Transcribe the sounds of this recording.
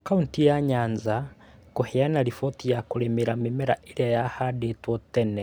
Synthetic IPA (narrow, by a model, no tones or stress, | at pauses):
kauntijaɲanza | kohɛanaɾifɔtijakoɾɛmeɾamimɛɾaeɾjajahadetwɔtɛnɛ